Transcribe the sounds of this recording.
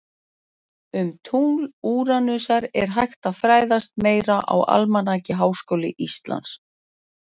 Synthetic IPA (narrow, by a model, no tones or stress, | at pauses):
ʏmt̪ʰuːluːɾanʏsaɾɛ̰ɾ̥ɦajxt̪aðfɾaːjðast̪̚meːjɾaʔa̰wa̰lmanaːcɪɦaːwskoːwlɪ̰ʔist̪la̰ns